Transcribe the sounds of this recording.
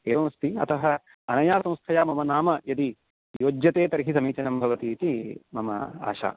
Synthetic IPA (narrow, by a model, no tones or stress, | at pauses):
eːʋɐmɐst̪iɐ̰t̪ɐɦɐ | ɐnɐjaːsɐ̃w̃st̪ʰɐjaːmɐmɐnaːmɐjɐd̪i | joːd͡ʒjɐt̪eːt̪ɐɾiɦisɐmiːt͡ʃɐnɐmbʱɐʋɐt̪iːt̪imɐmɐ̰a̰ːʃa̰ː